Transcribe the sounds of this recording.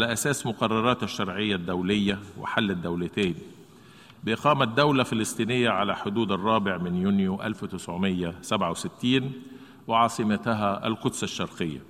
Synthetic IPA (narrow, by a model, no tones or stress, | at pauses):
alæʔæsæːsmʊqɑrˤːɑɾˤɑːt̪ɪʃːɑɾˤʕɪjːæd̪ːæwlɪjːæwɪ̰ħalːæd̪ːæwlæt̪æːni | bɪʔɪqɑːmæd̪ːæwlæfɪlesˤt̪ˤiːnɪjːæʕalæħod̪uːd̪ɑrˤːɑːbɪʕmɪnjuːnjuʔæ̰lfwɪt̪ɪsʕomɪjːæsæbʕawsɪt̪ːiːn | wɪʕɑːsˤɨmæt̪ɦæʔæ̰lqʊd̪saʃːɑɾˤqejːæ̰